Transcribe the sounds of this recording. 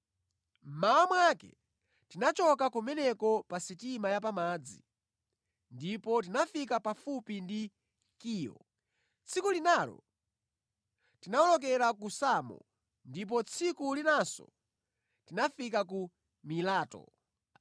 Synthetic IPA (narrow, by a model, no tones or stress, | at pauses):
m̩mawamwakɛ̰ | tinat͡ʃɔkakumɛnɛkɔpasitimajap̬amaːd͡zḭ | ndipɔt̬inafikapafupindi | kiːjɔ̰ | t͡sʰikulinalɔ̰ | tinaɔlɔk̬ɛɾakusamɔ̰ | ndip̬ɔt͡sʰikulinasɔ̰ | tinafik̬aku | milaːtɔ̰